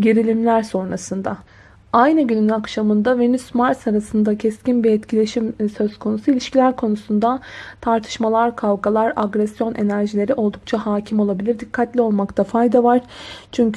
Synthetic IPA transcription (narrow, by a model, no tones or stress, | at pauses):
ɟeɾilʲimlʲæɾso̞nɾasɯnd̪a | ajnɯɟynynnakʃamɯnd̪avenysmaɾsaɾasɯnd̪acʰɛscinbiɛt̪cʰilʲe̞ʃimsø̞z̥kʰo̞nusuilʲiʃcilʲæɾkʰo̞nusund̪at̪ʰaɾt̪ʰɯ̥ʃmalˠaɾkʰavɡalˠaɾaɡɾɛsjo̞nʔe̞næɾʒilʲe̞ɾiʔo̞lˠd̪uk̚t͡ʃʰahaːcʰimo̞lˠabilʲiɾd̪ikʰːat̪lʲio̞lˠmakt̪ʰafajd̪avaɾ̥t͡ʃʰyɲcʰ